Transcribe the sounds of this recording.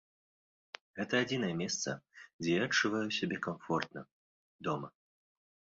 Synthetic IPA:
ɣɛt̪ɐːd͡zʲin̪ɐjɛmʲɛst̪sɐ̰d͡zʲɛjaɐt͡ʂːuvajusʲabʲɛkamfɔrt̪nɐ | d̪ɔmɐ

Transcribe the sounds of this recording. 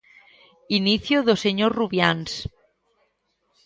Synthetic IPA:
iniθjoðoseɲoɾruβjans

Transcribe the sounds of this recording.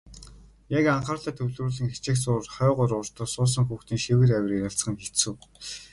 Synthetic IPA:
jakaɴχaːrɮaːt̪ʰɵwɮruːɮɘ̆ŋxet͡ɕɪ̆xsʊːrχɔːʁʊɾʊːr̥t̪ɔ̆ːsʊːs̬ə̆ŋxuːxt̪iːŋʃewɘ̆ræwʲriɾaɬt͡sχə̆ŋxet͡suː

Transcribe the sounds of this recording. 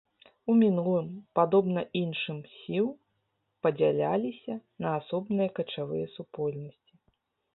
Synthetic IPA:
umʲinulˠɨmpad̪ɔbnɐʔinʂɨmsʲiwˠ | pɐd͡zʲalʲa̰lʲisʲɐnɐːsɔbnɨjɐkɐt͡ʂavɨ̰jɐsupɔlʲnɐsʲt͡sʲi

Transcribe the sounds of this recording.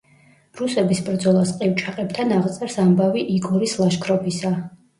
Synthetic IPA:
ɾusɛbisbɾd̪zɔlˠasqʼɛwt͡ʃʼʰaqʼɛbt̪ʰanaʁt̪sʼɛɾsambaviʔiɡɔɾislˠaʃkʰɾɔpʰisa

